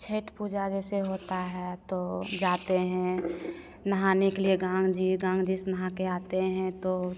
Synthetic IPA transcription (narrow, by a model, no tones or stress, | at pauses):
t͡ʃʰeːʈpuːd͡ʒad͡ʒɛseɦot̪aɦɛt̪od͡ʒaːt̪eɦɛ̃ | nəɦanekelieɡãːŋɡd͡ʒiɡãːŋɡd͡ʒisnəɦãkeaːt̪eɦɛ̃t̪o